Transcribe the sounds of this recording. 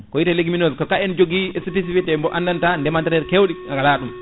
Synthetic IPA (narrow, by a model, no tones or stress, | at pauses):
kɔjitaleɡiminoskɔkaɛnd͡ʒoɡiɛspis̬ifitɛmbɔʔandantandɛmantɛɾɛɾkewɗiaŋɡalaɗum